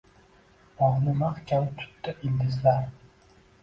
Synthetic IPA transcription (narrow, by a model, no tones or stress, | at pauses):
ɒʁnɪmaqkʲʰant̪ʰʊ̥t̪ːaʔɪnd̪ɪzlaɾ